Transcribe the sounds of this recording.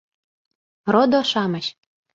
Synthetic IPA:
rod̪oʃɑmə̆ɕ

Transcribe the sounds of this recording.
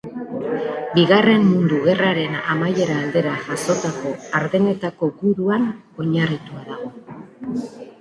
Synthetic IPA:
biɣare̞mmund̪uɣe̞raɾe̞na̰maje̞ɾaːld̪e̞ɾaʝaso̞t̪ako̞aɾðe̞ne̞t̪ako̞ɡuɾuan | o̞ɲarit̪uaðao

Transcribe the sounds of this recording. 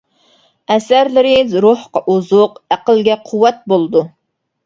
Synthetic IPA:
ɛsæɾlɪɾɪzɾohqɑʔuzʊqæqəlɡʲɛqʰuwːɛt̪̚bolˠɨd̪u

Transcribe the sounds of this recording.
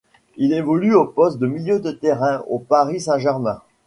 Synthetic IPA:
ilevɔlyopɔst̪̚d̪əmiljød̪ət̪ɛʁɛ̃opaʁisɛ̃ʒɛʁmɛ̃

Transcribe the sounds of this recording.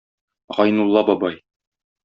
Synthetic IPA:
ʁɒjnulˠːɑbɒbɑj

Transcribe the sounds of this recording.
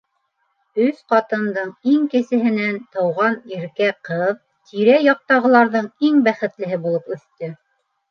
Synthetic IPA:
ɵsqɑt̪ɤ̆nd̪ɤɴiŋkɘ̆sɘ̆ɦɘ̆nænt̪ɤ̆wʁɑniɾkæqɤð | t̪ʰiɾæjɑq̚t̪ɑʁɤ̆lˠɑɾðɤɴiŋbæχɘ̆t̪lɘ̆ɦɘbulˠɤpɵ̆θt̪ɵ

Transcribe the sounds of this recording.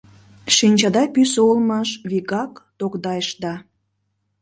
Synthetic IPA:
ʃinʲt͡ɕɑd̪ɑpysoolmɑʃβiɣɑkt̪okd̪ɑjəʃd̪ɑ

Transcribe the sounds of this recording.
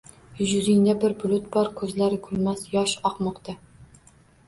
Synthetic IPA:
jʊʒɾɪŋd̪abɪɾbʊlˠʊt̪̚bɒɾkʰɵzlaɾɪkʰɵlmasjɒʃɒqmɒqt̪a

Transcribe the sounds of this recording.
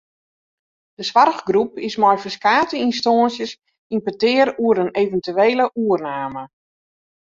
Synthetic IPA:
d̥əsʋarɣɡrupɪsmɔjfəskaːtəinstɔːnsjəs | inpətɪːəɾuəɾəneːvəntyeːləʔuərnaːmə

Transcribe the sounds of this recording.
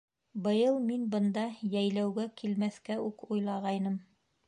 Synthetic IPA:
bɤ̆jɤlˠminbɤ̆nd̪ɑjæjlæwɡækʰilmæθkæʉkujlˠɑʁɑjnɤm

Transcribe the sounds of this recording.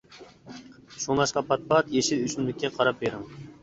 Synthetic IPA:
ʃuŋlˠɑʃqɑpʰɑt̪̚pɑt̪jeʃɪt̪yʃymlɪkʲːɛqʰɑɾɑp̚beɾɪŋ

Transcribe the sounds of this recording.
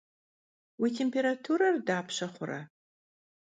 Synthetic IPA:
witʰempʰeɾatʰuɾɐrdaːpʰɕɐχʷʊɾɐ̰

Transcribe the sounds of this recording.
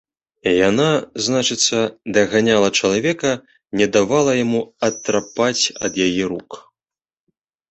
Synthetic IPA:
janaznat͡ʂɨt̪sːɐd̪ɐɣanʲalˠɐt͡ʂɐlˠavʲɛkɐ | nʲɛd̪avalˠɐjamuɐt̪ːɾapat͡sʲɐ̰d̪jajɛɾuk

